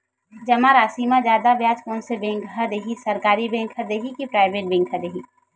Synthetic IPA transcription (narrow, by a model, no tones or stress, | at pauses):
d͡ʒɐmaɾaːsiːmãd͡ʒaːd̪abjaːd͡ʒkɔːnsebẽːŋkɦɐd̪eɦisɐɾkaːɾibẽːŋkɦəd̪eɦikipɾaːɪbeːʈ̚bɛ̃ːŋkɦɐd̪eɦi